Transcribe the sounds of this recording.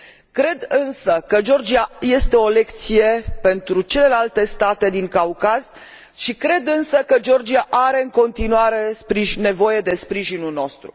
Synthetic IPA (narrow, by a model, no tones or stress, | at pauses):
kɾe̞d̪ɨnsəkəd͡ʒo̞rd͡ʒiaje̞st̪e̞o̞le̞kt̪sije̞pe̞nt̪ɾut͡ʃe̞le̞lalt̪e̞st̪at̪e̞d̪iŋkaukaz̥ | ʃikɾe̞d̪ɨnsəkəd͡ʒo̞rd͡ʒiaʔaɾe̞ɨŋko̞nt̪inuaɾe̞spɾiʒne̞vo̞je̞d̪e̞spɾiʒinulno̞st̪ɾṵ